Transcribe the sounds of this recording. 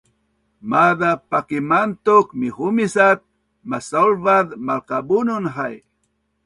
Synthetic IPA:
maðapakimant̪ʊkmihʊmisat̪̚ | masalvaðmalkabunʊnɦaj

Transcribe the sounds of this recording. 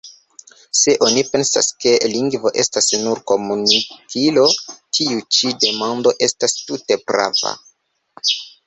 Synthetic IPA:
se̞ʔo̞nipe̞nsa̰ske̞liŋɡvo̞ʔe̞stasnuɾko̞munikilo̞tʰiut͡ʃide̞mando̞ʔe̞stastute̞pɾa̰va̰

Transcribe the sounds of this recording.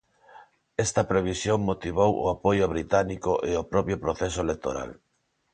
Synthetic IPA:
ɛst̪ɐpɾeβ̞isjoŋmot̪iβ̞owo̰apojoβɾit̪anikoʔeopɾɔpjopɾoθɛsoelek̚t̪o̰ɾa̰l

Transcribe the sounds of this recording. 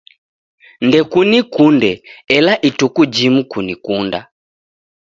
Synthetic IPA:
ndɛkunikundɛɛlaʔitukud͡ʒimukunikunda̰

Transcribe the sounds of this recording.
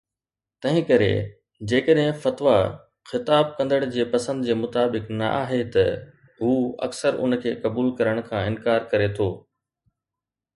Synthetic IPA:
t̪ɐ̃ɦɪ̃kɐɾḛ | d͡ʑeːkəɗɦɪ̃fɐt̪ʋa | xɪt̪aːb̚kɐ̃nd̪əɽ̃d͡ʑeːpɐsə̃nd̪d͡ʑeːmʊt̪aːbɪknɐ̰ʔa̰ːɦet̪ɐ | ɦuːɐ̰ksəɾʊ̰nkʰeːkɐbuːlkɐɾəɽ̃kʰãːɪnkaːɾkɐɾet̪ʰoː

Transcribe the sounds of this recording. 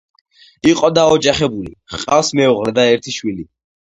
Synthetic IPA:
iqʼɔd̪aɔd͡ʒaχɛbulḭχqʼafsmɛuʁlɛd̪aɛɾt̪ʰiʃwili

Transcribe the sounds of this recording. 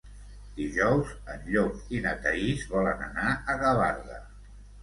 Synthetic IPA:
d̪̥iʒɔwzənʎozinət̪əizβɔlənə̰naəɣəβa̰ɾðə

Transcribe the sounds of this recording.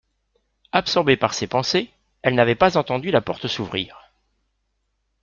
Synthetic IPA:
apsɔʁbepaʁsepɑ̃se | ɛlnavɛpazɑ̃t̪ɑ̃d̪ylapɔʁt̪əsuvʁḭːʁ

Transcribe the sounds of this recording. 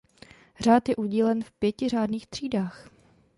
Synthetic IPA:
r̝aːt̪jɛʔuɟiːlɛnfpjɛcɪr̝aːdniːxt̪r̝̥iːdaːx

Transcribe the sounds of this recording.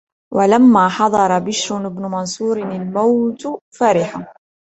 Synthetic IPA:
walamːaːħɑd̪ˤɑɾˤɑbɪʃɾʊnɪbnʊmɑnsˤuːɾalmawt̪faːɾɪħa

